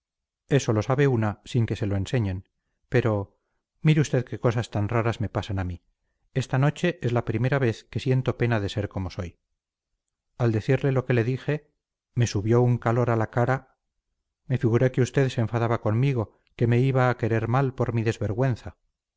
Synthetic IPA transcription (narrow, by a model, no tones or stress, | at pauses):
e̞so̞lo̞saβe̞unasiŋke̞se̞lo̞e̞nse̞ɲe̞n | pe̞ɾo̞ | miɾeust̪e̞ðke̞ko̞sast̪anraɾazme̞pasanami | e̞st̪ano̞t͡ʃe̞ʔezlapɾime̞ɾaβ̞e̞θke̞sje̞nt̪o̞pe̞naðe̞se̞ɾko̞mo̞so̞j | ald̪e̞θiɾle̞lo̞ke̞le̞ðixe̞ | me̞suβjo̞uŋkalo̞ɾalakaɾa | me̞fiɣuɾe̞keust̪e̞ðseːɱfaðaβako̞nmiɣo̞ | ke̞me̞iβaːke̞ɾe̞ɾmalpoɾmiðe̞zβe̞ɾɣwe̞nθa